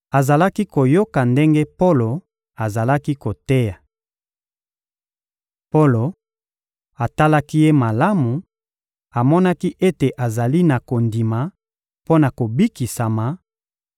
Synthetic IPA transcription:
a˨za˨la˦ki˦ko˨jo˦ka˨nde˦ŋɡe˦po˦lo˨ | a˨za˨la˦ki˦ko˨te˦ja˨ | po˦lo˨ | a˨ta˦la˦ki˦je˦ma˨la˦mu˨ | a˨mɔ˦na˦ki˦ʔe˦te˨ʔa˨za˨li˦na˨ko˨ndi˨ma˨ | po˦na˨ko˨bi˦ki˨sa˨ma˨

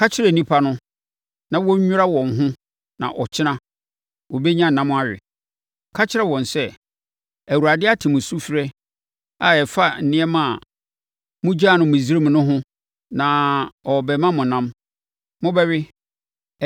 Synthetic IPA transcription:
kʰa˦t͡ɕʰɪ˦ɾɛ˨nĩ˦pʰa˦nʊ̃˦ | nã˨wɔ˦ʊ˦ɾa˦wɔ̃˨nɦʊ̃˦ | nã̰˨ʔɔ˨t͡ɕʰɪ˦nã˦ | wɔ˨be˦ɲã˦˨nã˦mʊ̃˦a˦ɥɪ̰˨ | kʰa˦t͡ɕʰɪ˦ɛ˦˨wɔ̃˨nsɛ˦ | æ˨wu˨ɾa˨dɪ˦a˦tʰɪ˨mʊ̃˨su˦fɪ˦ɾɛ˦ | a˨ɛ˨fa˦n̩˨nɪ̃˦ɛ˦mã˨ | mʊ̃˦d͡ʑa˦˨nʊ̃˨mʊ̃˨zi˦ɾe˦m̃˨nʊ̃˦ɦʊ̃˦ | nã˨ɔ˨bɛ˨mã˦mʊ̃˨nã˦m | mʊ̃˦bɛ˦ɥɪ˦

